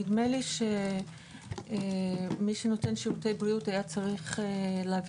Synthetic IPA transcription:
idmeliʃe | miʃeno̞te̞nʃiʁute̞jbʁiutajat͡saʁiχeleav

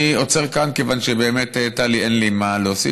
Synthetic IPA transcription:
iot͡seʁkankevanʃebe̞ːmetetalienlimaloosḭ

